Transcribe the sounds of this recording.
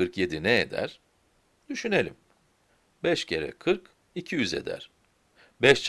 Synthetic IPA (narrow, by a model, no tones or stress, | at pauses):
kɯɾkje̞d̪inɛed̪æ̰ɾ̥ | d̪yʃyne̞lʲḭm | bɛʃcʰe̞ɾɛ̰kʰɯɾk | icʰijyze̞̰d̪æ̰ɾ̥ | bɛʃt͡ʃ